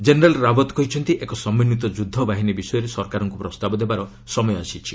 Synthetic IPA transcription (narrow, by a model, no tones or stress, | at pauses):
d͡ʒeneɾalɾabɔt̪kɔɦit͡ʃʰɔnt̪iʔekɔsɔmːinit̪ɔd͡ʒud̪ʱːɔbaɦinibisɔjɔɾesɔɾkaɾɔŋkupɾɔst̪abɔd̪ebaɾɔ | sɔmɔjɔasit͡ʃʰi